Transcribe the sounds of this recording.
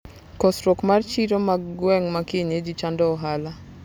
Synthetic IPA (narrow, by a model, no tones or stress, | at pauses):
kɔsɾɔkmart͡ʃiɾomaɡwɛŋmakeɲed͡ʒit͡ʃandɔɔɦala